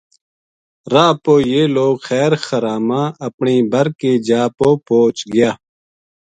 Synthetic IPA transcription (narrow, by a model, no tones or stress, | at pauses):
ɾaːpoːjeːloːɡxɛːɾxəɾaːmãːɐpɳiːbʱɐɾkeːd͡ʒaːpoːpoːt͡ʃɡɪjaː